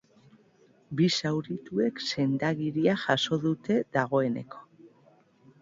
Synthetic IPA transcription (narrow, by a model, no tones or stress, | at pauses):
bisawɾit̪ue̞kse̞nd̪aɣiɾiaʝaso̞ðut̪e̞ðaɣ̞o̞e̞ne̞̰kʰo̥